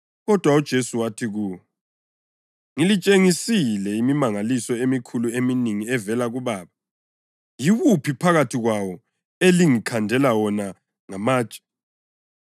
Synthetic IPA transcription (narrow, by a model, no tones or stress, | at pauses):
ɣɔd̥ʱwaud̥ʒ̥ʱesuwatʰiɣuːwɔ | ŋilit͡ʃʼeŋisilɛimimaŋalisɔemikʰulueminiŋiɛvɛlaɣuβaːβa | jiɣupʰipʰaɣatʰiɣwawɔ | eliŋikʰandʱɛlawɔna | ŋamḁːt͡ʃʼḁ